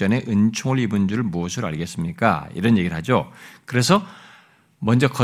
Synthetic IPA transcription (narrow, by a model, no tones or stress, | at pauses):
ʌne̞ʔɯnt͡ɕʰoŋɯɭibɯnd͡ʑuɾɯɭmuʌsʰɯɾoa̰ɭɡe̞s͈ɯmɲik͈a̰ḭɾʌnje̞ɡiɯɭɦad͡ʑokɯɾe̞sʰʌ | mʌnd͡ʑʌkʌ